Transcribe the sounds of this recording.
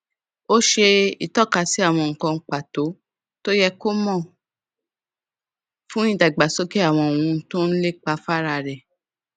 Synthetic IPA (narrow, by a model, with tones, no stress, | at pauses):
o˦ʃe˧i˨tɔ˦˨ka˧˨si˨˦a˦˨w̃ɔ̃˧ŋ̩˨kɔ̃˧ŋ̩˨k͡pa˨to˨˦ | to˦jɛ˧ko˦mɔ̃˦˨ | fũ˦ĩ˦˨da˨ɡ͡ba˨so˦ke˦a˦˨w̃ɔ̃˧˨o˨ũ˧˦tõ˦n̩˦le˦k͡pa˧fa˦ɾa˧ɾɛ˨